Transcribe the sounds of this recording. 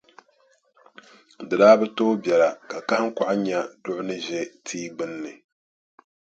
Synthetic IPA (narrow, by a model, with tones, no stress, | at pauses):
dɨ˨daː˦bɛ˦toː˦bjɛ˨la˨ka˨ka˦hŋ̩˦ka˨ʔa˦ɲa˨dʊ˦ʔʊ˦nɨ˦ʒɛ˦tʰiː˦ɡ͡bɨ˦nːɨ˨